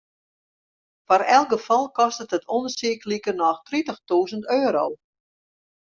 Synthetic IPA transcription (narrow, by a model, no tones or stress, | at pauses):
fɔrɛlˠɡəfɔlˠkɔstəthətʰonərsiəklikərnɔxtritəxtuːzəntøːɾo̰w